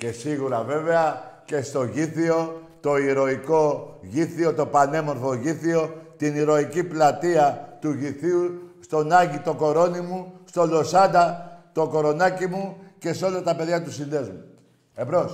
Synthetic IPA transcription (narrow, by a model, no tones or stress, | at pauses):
ce̞siɣuɾɐve̞ve̞ɐce̞st̪o̞ʝiθio̞t̪o̞iɾo̞iko̞ʝiθio̞t̪o̞pɐne̞mo̞ɾθo̞ʝiθio̞t̪iniɾo̞iciplɐt̪iɐt̪uʝiθiust̪o̞nɐʝit̪o̞ko̞ɾo̞nimust̪o̞lo̞sɐnd̪ɐt̪o̞ko̞ɾo̞nɐcimuce̞seo̞lɐt̪ɐpe̞ðʝɐt̪usile̞zmu | ebɾo̞s